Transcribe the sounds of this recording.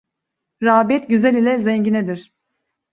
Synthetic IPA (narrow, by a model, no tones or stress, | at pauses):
ɾaːbɛt̪ɟyzælʲilʲɛzɛɲɟinɛd̪iɾ̥